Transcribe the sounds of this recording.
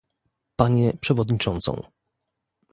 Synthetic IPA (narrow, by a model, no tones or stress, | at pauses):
paɲɛpʂɛvɔd̪ɲit͡ʂɔnt̪sɔ̰̃w̃